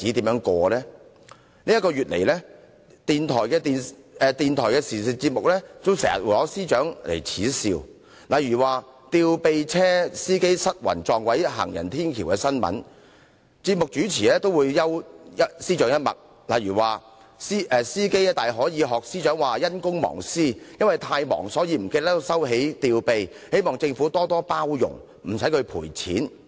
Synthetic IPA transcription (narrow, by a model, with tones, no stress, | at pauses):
t͡siː˨˥t̪iː˨˥mjœː˨˧˥ŋkɔː˧lɛː˥ | nliː˥jɐ˥tkɔː˧ɥyː˨t̚lḛ˨˩jlɛː˥ | t̪iː˨nt̪ʰɔː˨˩jkɛː˧t̪iː˨n | ɛː˨˧t̪iː˨nt̪ʰɔː˨˩jkɛː˧siː˨˩si˨t͡si˧t̚mʊ˨k̚lɛː˥t͡so˥wsɛː˨˩ŋjɐ̰˨t̚wu˨jlɔː˨˥siː˥t͡ʃœː˨˥ŋlʔḛ˨˩jt͡sʰiː˨˥siː˧w | lɐ˨jɥyː˨˩waː˨˧t̪iː˧wpe˧jt͡sʰɛː˥siː˥ke˥jsɐ˥t̚wɐ̰˨˩nt͡sɔː˨˧ŋwɐ˨˦˥jɦa̰ː˨˩ŋjɐ˨˩nt̪ʰiː˥nkʰiː˨˩wkɛː˧sɐ˥nmɐ̰˨˥n | t͡siː˧t̚mʊ˨k̚t͡ʃyː˨˥t͡sʰiː˨˩lɛː˥t̪o˥wuː˨˧jːɐ˥wjɐ˥t̚siː˥t͡ʃœː˨˧˥ŋjɐ˥t̚mɐ̰˨˩k̚ | lɐ˨jɥyː˨˩waː˨ | siː˥ʔɛː˨siː˥ke˥jɛ˥t̪aː˨jɦɔː˨˥jiː˨˧ɦɔː˨k̚siː˥t͡ʃœː˨˥ŋwaː˨jɐ˥nkʊ˥ŋmɔ̰ː˨˩ŋsiː˥jɐ˥nwɐ˨jt̪ʰaː˧jmɔ̰ː˨˩ŋsɔː˨˥jiː˧m̩˨˩keː˧lɛː˥t̪o˥wsɐ˥whe˨˥jt̪iː˧wpe˧j | he˨˥jmɔː˨˩ŋt͡sɪ˧ŋfuː˨˥t̪ɔː˥t̪ɔː˥paː˥wjʊ̰˨˩ŋ | m̩˨˩sɐ˨˥jkʰɵ˨˧pʰṵː˨˩jt͡sʰḭː˨˥n